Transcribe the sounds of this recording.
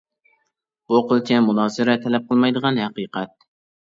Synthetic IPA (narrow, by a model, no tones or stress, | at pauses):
oqɨlˠt͡ʃʲʰamʊnɑzɪɾat̪ʰælæp̚qʰɨlˠmajd̪ɨʁɑnhɑqɨːqʰɑt̪̚